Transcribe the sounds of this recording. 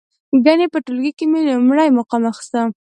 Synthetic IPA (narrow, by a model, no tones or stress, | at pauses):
ɡanepəʈʊlɡikemelʊmɽajmʊqɑmaxst̪a